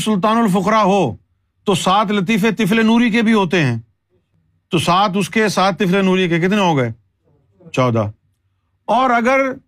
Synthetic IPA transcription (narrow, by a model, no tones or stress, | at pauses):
sʊlt̪̬aːnəlfʊqɾaːɦoː | t̪oːsaːt̪lət̪̬iːfet̪ɪfleːnuːɾik̬ebʱiɦoːt̪eɦɛ̃ː | t̪oːsaːt̪ʰʊskesaːt̪̚ːɪflenuːɾikek̬ɪt̪neɦoːɡəeː | t͡ʃɔːd̪a̰ː | ɔːɾəɡəɾ